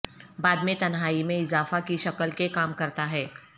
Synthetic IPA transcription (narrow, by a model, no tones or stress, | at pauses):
baːd̪mẽt̪ɐnɦaːimẽɪzaːfakiʃɐkəlkekaːmkɐɾt̪aɦɛː